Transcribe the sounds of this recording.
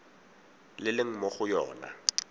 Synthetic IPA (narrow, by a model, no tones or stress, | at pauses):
lɪlɪŋ̩mɔχʊjɔ̰ːna̰